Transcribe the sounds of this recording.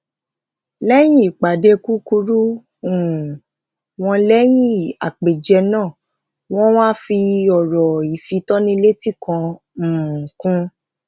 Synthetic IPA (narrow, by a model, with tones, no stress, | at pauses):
lɛ˦j̃ĩ˦˨k͡pa˨de˧ku˦ku˧ɾu˦ | ũ˨ | w̃ɔ̃˧lɛ˦j̃ĩ˦˨a̰˨k͡pe˨d͡ʒɛ˧nãː˦˨ | w̃ɔ̃˦w̃ã˦fi˧ɔ˨ɾɔ˨i˨fi˧tɔ˦nĩ˧le˦ti˦˨kã˧˨ | kũ˦